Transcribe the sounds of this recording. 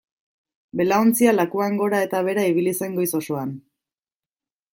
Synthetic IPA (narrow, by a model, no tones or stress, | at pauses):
be̞laont͡sialakuaŋɡo̞ɾae̞t̪aβ̞e̞ɾaiβ̞ilise̞ŋɡo̞iso̞soan